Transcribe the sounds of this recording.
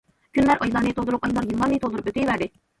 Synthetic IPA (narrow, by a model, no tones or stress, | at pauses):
kʲʰynlæɾʔɑjlˠɑɾnɨt̪ʰolˠd̪uɾup̚ɑjlˠɑɾjɯlˠːɑɾnɨjt̪ʰolˠd̪ɾupøt̪ʰejvæɾd̪ɪ